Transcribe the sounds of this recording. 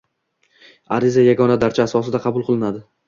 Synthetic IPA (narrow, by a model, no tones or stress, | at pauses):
aɾɪzajaɡɒnad̪aɾt͡ʃʰaasɒsɪd̪aqʰɑbʊlˠqʰɨlˠɪnad̪ɪ